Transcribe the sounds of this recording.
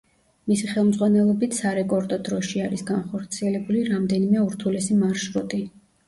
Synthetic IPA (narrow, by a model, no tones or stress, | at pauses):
misiχɛlˠmd̪zʁwanɛlˠɔbit̪ʰsaɾɛkʼɔɾd̪ɔd̪ɾɔʃiaɾisɡanχɔɾt̪sʰiɛlɛbuliɾamd̪ɛnimɛuɾt̪ʰulɛsimaɾʃɾut̪ʼi